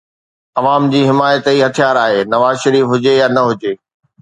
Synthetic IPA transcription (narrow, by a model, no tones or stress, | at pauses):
ɐʋaːmd͡ʑiːɦɪmaːjət̪iɦɐt̪ʰijaːɾaːɦeːnɐʋaːzʃɐɾiːfɦʊd͡ʑejaːnɐɦʊd͡ʑeː